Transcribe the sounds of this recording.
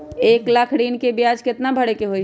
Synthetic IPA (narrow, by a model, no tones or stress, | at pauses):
eːklakʰɽiːnkebijaːd͡ʒkɪt̪nabʱəɽekeɦoi